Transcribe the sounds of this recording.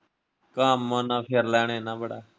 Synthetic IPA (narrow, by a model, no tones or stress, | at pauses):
kaːmːãːnãːpʰɪɾlɛːɳ̃eːnãːbəɽaː